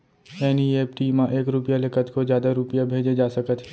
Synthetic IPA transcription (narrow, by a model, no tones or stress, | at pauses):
ɛːnieːpʈiːmãʔeːkɾʊpjalekət̪kozjaːd̪aɾʊpjabʱeːd͡ʒed͡ʒaːsɐkət̪ʰ